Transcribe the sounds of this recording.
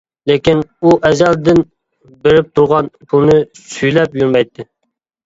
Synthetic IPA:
lekʲinuʔɛzɛld̪ɪn | beɾɪp̚t̪ʰuɾʁɑnbunɨsyjlɛpjuɾmɛjt̪ʰːɪ

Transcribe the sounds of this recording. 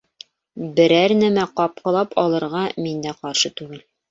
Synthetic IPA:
bɘ̆ɾæɾnæmæqɒp̚qɤ̆lˠɑpʰɒlˠɤ̆ɾʁɑmind̪æqɑɾʃɤt̪ʉɡɘl

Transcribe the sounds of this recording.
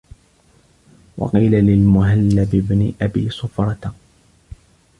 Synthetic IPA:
wɑ̰qiːlalɪlmʊɦalːabɪbnɪʔabḭːsʊfɾˤɑt̪

